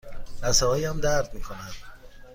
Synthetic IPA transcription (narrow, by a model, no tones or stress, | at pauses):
dæsɛɦɒːjæmd̪æɾd̪miːkʰo̞nænd̪̥